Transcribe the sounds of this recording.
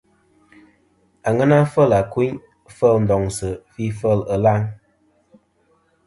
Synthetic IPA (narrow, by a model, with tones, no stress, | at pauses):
a˨ŋə˦na˦fə˦˨la˨kwu˦ɲ | fə˦˨ln̩˨dɔ˨ŋsə˨fi˦fə˦˨lə˨la˦ŋ